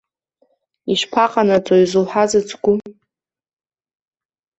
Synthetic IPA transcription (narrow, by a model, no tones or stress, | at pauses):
iʃpʰaqʼanat͡sʼoizulħazɨt͡sʰʼɡʷʊ